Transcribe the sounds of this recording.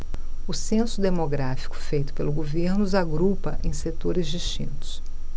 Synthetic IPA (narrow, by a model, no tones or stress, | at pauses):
ʊsẽsʊd̪emoɡɾafi̥kʊ̥fejt̪ʊ̥pelʊɡoveɾnʊzaɡɾupɐʔẽj̃set̪oɾɪzd͡ʒiʃt͡ʃĩnt̪ʊ̥s